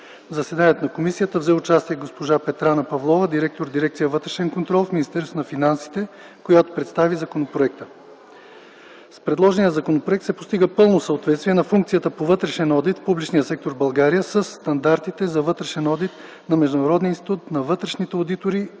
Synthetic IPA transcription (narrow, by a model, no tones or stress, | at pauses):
vzɐsɛd̪aniɛt̪onɐkomisijət̪əvzɛʊt͡ʃast̪iɛɡospoʒapɛt̪ɾanəpɐvlˠɔvəd̪iɾɛk̚t̪oɾd̪iɾɛk̚t̪sijəvɤt̪ɾɛʃɛnkont̪ɾɔlˠfminist̪ɛɾsonɐfinansi̥t̪ɛ | kojat̪o̥pɾɛt̪st̪avizɐkonopɾoɛk̚t̪ə̥ | spɾɛd̪lˠɔʒɛnijəzɐkonopɾoɛkt̪sɛpost̪iɡəpɤlˠnosəot̪vɛt̪st̪viɛnɐfuŋk̚t̪sijət̪əpovɤt̪ɾɛʃɛnɔd̪it̪fpublit͡ʃnijəsɛk̚t̪oɾbɐlˠɡaɾijəsəsːt̪ɐnd̪aɾt̪it̪ɛzɐvɤt̪ɾɛʃɛnɔd̪it̪ | nɐmɛʒd̪ʊnɐɾɔd̪ninst̪i̥t̪ut̪nɐvɤt̪ɾɛʃnit̪ɛod̪it̪oɾi